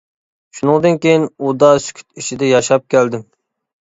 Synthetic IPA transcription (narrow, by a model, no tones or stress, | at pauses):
ʃunɨŋd̪ɨnkʲejinud̪ɑsy̥kʲʰy̥t̪it͡ʃʰid̪ɛjɑʃɑp̚kʲʰæld̪ɪm